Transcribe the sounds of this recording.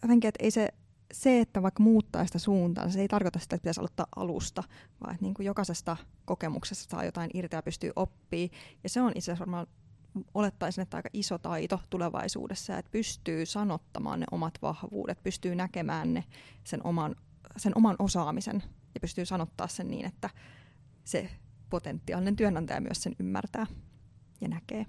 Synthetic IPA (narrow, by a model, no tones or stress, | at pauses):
jot̪eŋkiet̪ḛise | seet̪ːæʋɑikːmuːt̪ːɑ̰ːsi̥t̪æsuːnt̪ɑ̰ːnsɑseit̪ɑrkot̪ɑsit̪æet̪̚pit̪æso̰lot̪ːɑ̰ːʔʔɑ̰lṵst̪ɑʋɑ̰ːet̪niːŋkujokɑsest̪ɑkokemuksest̪ːɑ̥sɑ̰ːjo̰t̪ɑinʔirt̪ejɑpyst̪y̰ːʔopːiːjɑseonʔit̪sææsʋɑrmɑːn | olet̪ːɑisinːet̪t̪ːɑ̰ikːɑʔisot̪ɑit̪ot̪uleʋɑ̰isṵːdesːɑjɑ̰et̪̚pyst̪yːsɑnot̪ːɑmɑ̰ːnnḛʔo̰mɑt̪ʋɑ̰hʋṵːdet̪̚pyst̪yːnækemæːnnesenʔo̰mɑn | senʔomɑnʔosɑːmisḛnjɑpyst̪yːsɑnot̪ːɑ̰ːssennḭːnʔet̪ːæ | sḛpot̪ent̪ːiɑ̰linent̪yænænt̪æ̰j̰ːmy̰æssenymːæ̰rt̪æː | jɑnækeː